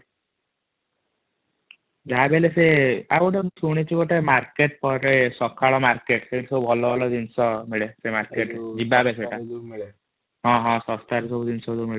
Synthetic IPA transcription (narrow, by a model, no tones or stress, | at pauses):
d͡ʒabeleseaɡoʈesuɽ̃it͡ʃiɡoʈemaɾkeʈ̚pɔɾesɔkʰaɭɔmaɾkeʈseʈsɔbubʱɔlɔbɔlɔd͡ʒinsɔmiɭesemaɾkeʈd͡ʒibabeseʈa | ɦɔ̃ɦɔ̃sɔst̪aɾesɔbud͡ʒinsɔd̪umiɭe